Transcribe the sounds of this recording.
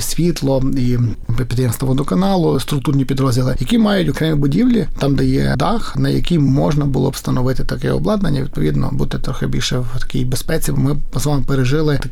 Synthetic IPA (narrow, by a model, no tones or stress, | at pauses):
sʲʋʲit̪lˠɔipʲid̪ɐjɛmst̪ɔʋɔd̪ɔkɐnɑlˠʊst̪ɾʊkt̪urnʲipʲid̪ɾɔzʲdʲilˠɪjɐkʲimɑjʊtʲɔkɾɛmʲibʊdʲiwlʲit̪ɑmd̪ɐjɛ̰d̪ɑxnɐjɐ̰kʲimɔʒnɐbʊlˠɔ̰pst̪ɐnɔʋɪt̪ɪt̪ɐkɛ̰ɔ̰blˠɑd̪nɐnʲːɐʋʲid̪̚pɔʋʲid̪nɔ̰but̪ɛt̪ɾɔxɪbʲḭlʲʃɛwt̪ɐ̥kʲḭjbespɛt͡sʲibmɪpɐzʋɑmpeɾeʒɪlˠɪ